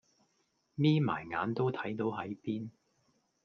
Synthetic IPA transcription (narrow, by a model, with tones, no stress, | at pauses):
miː˥ma̰ː˨˩jŋa̰ː˨˥nt̪o˥wt̪ʰɐ˨˥jt̪o˨˥wɦɐ˨˥jpiː˥n